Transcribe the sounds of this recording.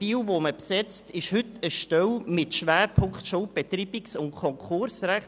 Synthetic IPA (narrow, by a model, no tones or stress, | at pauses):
iːlvoməpsɛt͡stɪʃhʏtəʃtɛwmɪtʃʋæːɾpʰʊŋktʃoːb̥et̪ɾiːbɪksʊnkʰɔŋkʰʊɾsɾæχ